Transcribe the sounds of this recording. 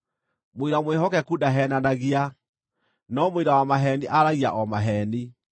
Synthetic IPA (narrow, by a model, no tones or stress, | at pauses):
moiɾamweɦɔkɛkudaɦɛnanaɣia | nɔmiɾawamaɦɛniʔaɾaɣia̰ʔɔmaɦɛni